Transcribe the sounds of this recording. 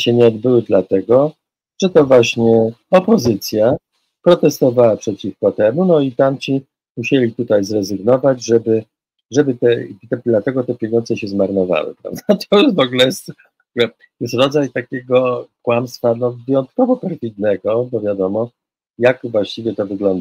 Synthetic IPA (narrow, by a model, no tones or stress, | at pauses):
ɕɛɲɛɔd̪̚bɘwɘd̪lat̪ɛɡɔ | ʐ̥ɛt̪ɔvwaɕɲɛɔpɔzɘt̪sʲja | pɾɔt̪ɛst̪ɔvawapʂɛt͡ɕifkɔt̪ɛmunɔit̪amt͡ɕi | muɕelʲit̪ut̪ajzɾɛzɘɡnɔvad͡ʑʐɛbɘ | ʐɛbɘt̪ɛt̪ɛd̪lat̪ɛɡɔt̪ɛpʲjɛɲɔndzɛɕɛzmaɾnɔva̰wɘ̰pɾa̰vd̪at̪ʰɔuvɔɡlɛjɛst̪ | ɔɡlɛ | jɛst̪ɾɔd̪zajt̪akʲɛɡɔkwamst̪fanɔvɘjɔnt̪kɔvɔpɛɾfʲid̪nɛɡɔbɔvʲjad̪ɔmɔ | jakvwaɕt͡ɕivʲjɛt̪ɔvɘɡlɔnd̪a